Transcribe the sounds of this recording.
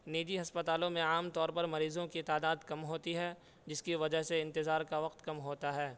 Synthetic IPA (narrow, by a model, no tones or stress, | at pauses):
neːd͡ʒ̪iɦɐspɐt̪aːlõmẽaːmt̪ɔːɾpɐɾmɐɾiːzõkit̪aːd̪aːd̪kɐmɦoːt̪iɦɛː | d͡ʒɪskiʋɐd͡ʒəɦseɪ̃nt̪ɪzaːɾkaʋɐq̚t̪kɐmɦoːt̪aɦɛː